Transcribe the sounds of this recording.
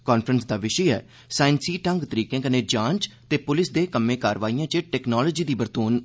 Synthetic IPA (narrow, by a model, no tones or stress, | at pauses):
kɔːnpʰɾənsd̪aːʋɪʃəɛ̰ː | saːɪnsiːʈə̃ŋɡt̪əɾiːkẽːkənẽːd͡ʒãːnt͡ʃt̪eːpʊlɪsd̪eːkəmːẽːkaːɾʋaːiːãːt͡ʃeʈɛːknɔːloːd͡ʒiːd̪iːbəɾt̪oːn